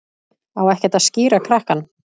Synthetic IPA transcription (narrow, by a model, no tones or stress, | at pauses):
awɛhcɛt̪aðsciːɾakʰɾahkan